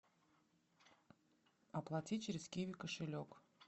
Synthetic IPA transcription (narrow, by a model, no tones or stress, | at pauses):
ɐplˠatʲit͡ɕɪɾʲɪskʲivʲɪkəʂɨlʲok